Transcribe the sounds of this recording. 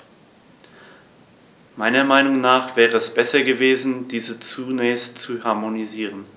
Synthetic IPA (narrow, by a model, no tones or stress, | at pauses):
maɪnɐmaɪnʊŋnaːχv̥ɛːʁəɛsb̥ɛsɐɡəveːzn̩diːzət͡sunɛːçstt͡suhaɐmoniziːʁən